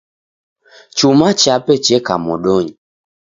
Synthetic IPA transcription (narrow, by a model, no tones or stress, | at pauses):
t͡ʃumat͡ʃapɛt͡ʃɛka̰mɔɗɔɲi